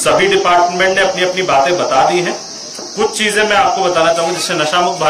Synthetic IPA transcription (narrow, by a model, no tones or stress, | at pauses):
sɐbʱiɖɪpaːɾʈmẽɳʈneɐpniɐpnibaːt̪ẽbɐt̪ad̪iɦɛ̃ː | kʊt͡ʃʰt͡ʃiːzẽmɛ̃aːp̚kobɐt̪aːnat͡ʃaːɦũŋɡid͡ʒɪsẽnɐʃaːmʊk̚bʱa